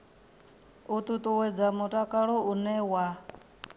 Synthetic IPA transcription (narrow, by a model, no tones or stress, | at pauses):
ut̪ʼut̪ʼuwɛd͡zamutʼakʼaɺɔunɛwa